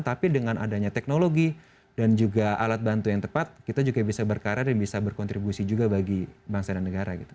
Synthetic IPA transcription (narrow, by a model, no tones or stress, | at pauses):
t̪apidəŋanʔa̰daɲat̪ɛk̚noloɡi | dand͡ʒuɡaʔalat̪̚bant̪ujaŋt̪əpat̪̚kit̪ad͡ʒuɡabisabərkaɾadanbisabərkɔnt̪ɾibusid͡ʒuɡabaɡibaŋsadanːəɡaɾaɡit̪u̥